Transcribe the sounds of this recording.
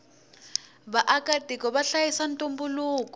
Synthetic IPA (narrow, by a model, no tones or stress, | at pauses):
βaʔakatikɔβaɬajisantʼumbuluːkɔ